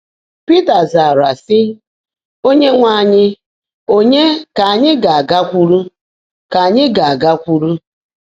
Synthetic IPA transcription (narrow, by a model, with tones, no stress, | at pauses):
pi˦ta˨za˨ɾa˨sɪ˦ | o˦ɲe˦ŋʷa˦˨ɲɪ˦ | o˦ɲe˦ka˨a˨ɲɪ˦ɡa˨a˨ɡa˦kʷu˦ɾu˦ | ka˨ɲɪ˦ɡa˨a˨ɡa˦kʷu˦ɾu˦